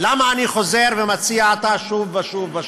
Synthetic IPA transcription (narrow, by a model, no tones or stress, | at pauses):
lamaːniχo̞ze̞ʁvemat͡siaːt̪aʃuvaʃuva